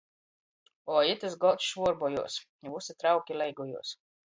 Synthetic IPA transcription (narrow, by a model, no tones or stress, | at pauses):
ɔjit̪azɡɔt̪ʃvuɔɾbɔjṵɔs | vusat̪ɾawkʲilɛjɡɔjṵɔs